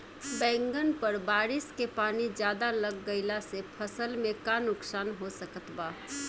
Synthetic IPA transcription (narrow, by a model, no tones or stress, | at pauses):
bɛ̃ːŋɡənpəɾbaːɾɪskepaːnid͡ʒjaːd̪aləɡːəɪlasepʰəsəlmẽkanʊksaːnɦosəkət̪baː